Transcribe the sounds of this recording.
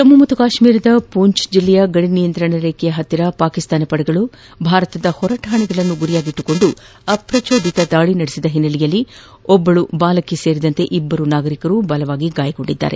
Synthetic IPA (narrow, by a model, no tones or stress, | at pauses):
t̪ɐmɐmɐt̪ukaːʃmiːɾɐd̪ɐpuɲt͡ʃd͡ʒilːɛjɐɡɐɽinijɐnt̪ɾɐɳɐɾeːkɛjɐɦɐt̪ːiɾɐpaːkist̪aːnɐpɐɽɐɡɐɭu | bʱaːɾɐt̪ɐd̪ɐhɔɾɐʈaːɳɛɡɐɭɐnːuɡuɾijaːɡiʈːuko̞ɳɖu | ɐpɾɐt͡ʃoːd̪ʱit̪ɐd̪aːɭinɐɽesid̪ɐɦinːɐlijɐlːi | ɔbːɐɭubaːlɐkːe̞se̞ːɾid̪ɐnt̪e̞ʔibːɐɾunaːɡɐɾikɐɾubɐlɐʋaːɡiɡaːjɐɡo̞ɳɖid̪ːa̰ːɾe̞̰